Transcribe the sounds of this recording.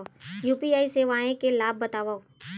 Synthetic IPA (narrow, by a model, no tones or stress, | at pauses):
juːpiaːiseːʋaːẽkelaːb̚ːɐt̪aːʋao